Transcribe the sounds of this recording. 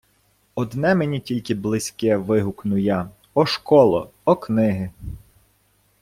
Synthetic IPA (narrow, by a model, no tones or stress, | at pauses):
ɔd̪nɛmenʲitʲilʲkɪblˠɪsʲkɛʋɪɦʊknʊjɑ | ɔʃkɔlˠɔɔknɪɦɪ